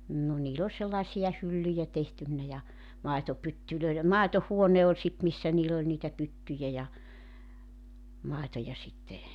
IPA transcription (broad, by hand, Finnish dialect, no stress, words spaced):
nːo niːl ol selːɑĕsiɑ hylːyjæ tehtynːæ jɑ mɑetopytːyløi̞lem mɑˑetohuone olʲ sit misːæ niːlː olʲ niːtæ pytːyjæ jɑ mɑˑetojɑ sitːe